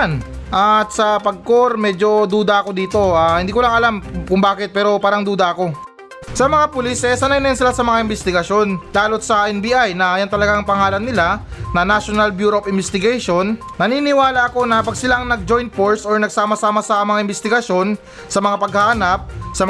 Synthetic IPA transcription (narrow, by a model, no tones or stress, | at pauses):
nʔat̪̚sɐpɐɡ̚ko̞ɾmɛd͡ʒo̞d̪uːd̪ɐɐko̞d̪iːt̪o̞ʔaːhɪnd̪iːkolɐŋɐlamkʊŋbaːkɪt̪̚pɛːɾo̞paːɾɐŋd̪uːd̪ɐɐko̞ | sɐmɐŋapʊliːsʔɛsɐnɐjɪnɐɪnsɪlasɐmɐŋaɪmbɛst̪ɪɡɐʃo̞nlaːlo̞t̪̚sɐʔɛnbiːʔajnɐjant̪ɐlɐɡaɐŋpɐŋaːlɐnːɪlanɐnaʃonɐlbjuːɾopʔɪmbɛst̪ɪɡɛjʃo̞nːɐniːnɪwaːlɐʔɐko̞nɐpɐɡsɪlaŋnɐɡ̚d͡ʒo̞jnt̪̚foɹsoɹnɐɡ̚saːmɐsaːmɐsɐmɐŋaʔɪmbɛst̪ɪɡɐʃjo̞n | sɐmɐŋapɐɡ̚haʔɐnap̚sɐm